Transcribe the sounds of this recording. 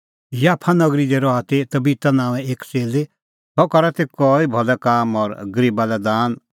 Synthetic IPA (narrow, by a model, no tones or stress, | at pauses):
jaːpʰanɐɡɾid̪ɛɾɔat̪et̪ɐbiːt̪anãːʋɛ̃eːkt͡seːle | t̪ɔkɐɾat̪ekɔːibʱɔlɛkaːmɔɾɡəɾiːbalɛd̪aːn